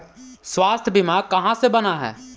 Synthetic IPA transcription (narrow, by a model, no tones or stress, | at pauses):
swaːst̪ʰbɪmaːkɐɦãsebɐnaɦɛ̰ː